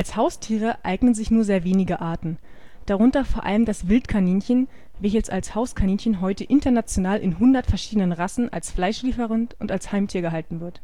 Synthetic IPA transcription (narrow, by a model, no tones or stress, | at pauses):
ʔalshaʊstʰiːʁ̞əʔa̰ɪɡnənzɪçnuːɐzeːɐveːnɪɡəʔaːɐtn̩ | d̥aʁ̞ʊntɐfoːɐʔa̰ləmdasv̥ɪltkʰaniːnçən | vɛçəlsalshaʊskʰaniːnçənɦɔʏtəʔɪntɐnat͡sjonaːlʔɪ̰nɦʊndɐtfɛɐʃiːdənənʁasn̩ʔa̰lsflaɪʃliːfəʁənʔʊntalshaɪmtʰiːɐɡəɦaltn̩vɪɐt